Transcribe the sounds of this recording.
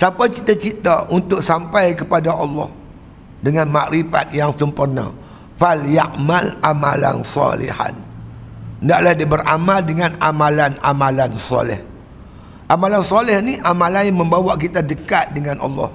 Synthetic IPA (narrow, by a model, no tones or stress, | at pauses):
sapat͡ʃit̪at͡ʃit̪aʔunt̪ʊksampajkəpadaʔɑlːɑ̰h | dəŋanmaʔɾifa̰t̪̚jaŋsəmpurna̰ | faljaʔmalamala̰nsɔ̰lḭha̰n | ndaʔlahdibərʔamaldəŋanamalanamalansɔ̰lɪ̰h | ʔamalansɔlɪhniʔamalaməmbawaʔkit̪adəkat̪̚dəŋanʔɑ̰lːɔ̰h